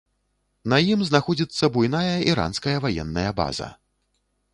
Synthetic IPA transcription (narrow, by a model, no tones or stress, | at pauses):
nɐjimznaxɔd͡zʲit̪sːɐbujnajɐiɾa̰nskɐjɐvajɛnːɐjɐba̰zɐ̰